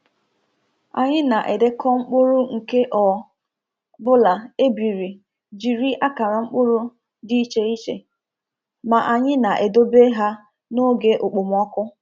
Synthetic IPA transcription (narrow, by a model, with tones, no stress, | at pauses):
a̰˨ɲɪ˦na˨ʔe˨de˦kɔ˦ŋ͡m̩˦k͡pʊ˦ɾʊ˦ŋ̩˨ke˦ʔɔ˨ | bʊ˦la˨e˦bi˨ɾi˨ | d͡ʒi˨ɾi˦ʔa˦ka˨ɾa˨ŋ͡m̩˦k͡pʊ˦ɾʊ˦ | di˦i˦t͡ʃe˦i˦t͡ʃḛ˨ | ma˨ʔa˨ɲɪ˦na˨ʔe˨do˦be˦ɦa˦ | no˦ɡe˦ʔʊ˨k͡pʊ˨m˨ɔ˦kʊ˦